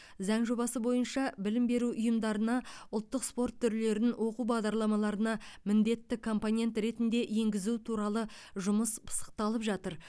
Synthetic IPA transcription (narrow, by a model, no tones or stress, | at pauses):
zɑŋʒo̞bɑsəbo̞jənʃɑbɪlɪmbe̞ɾuʔʊjəmd̪ɑɾənɑʊlˠt̪ːəqspo̞rt̪ʰːʏɾle̞ɾɪnwo̞qubɑʁd̪ɑɾlˠɑmɑlˠɑɾənɑmɪnd̪e̞t̪ːɪkʰo̞mpo̞ne̞nt̪ɾe̞t̪ɪnd̪e̞ʔje̞ŋɡʲɪzut̪ʰuɾɑlˠə | ʒʊməspʰə̥sə̥q̚t̪ɑlˠəpʒɑt̪əɾ